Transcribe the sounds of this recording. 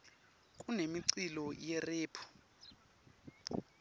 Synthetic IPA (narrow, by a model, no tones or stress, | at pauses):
kʼunemiǀilɔjɛreːpʰu̥